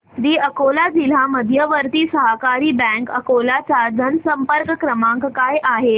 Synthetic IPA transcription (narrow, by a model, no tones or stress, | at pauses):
d̪iːəkolad͡zil̤aməd̪ʱjəʋəɾt̪isəɦəkaɾiːbɛ̃ŋkəkolat͡sad͡zənsəmpəɾkəkɾəmãŋkkajʔaɦe